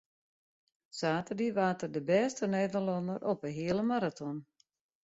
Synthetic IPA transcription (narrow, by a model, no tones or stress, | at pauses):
saːtərdiʋaːtərdəbɛːstəneːdərlɔndəɾʔɔpəɦiələmaɾatʰɔn